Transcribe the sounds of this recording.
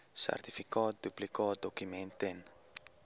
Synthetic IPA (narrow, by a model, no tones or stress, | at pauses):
sa̰rt̪ifikɔt̪̚d̪uplikɔːd̪okymɛnt̪en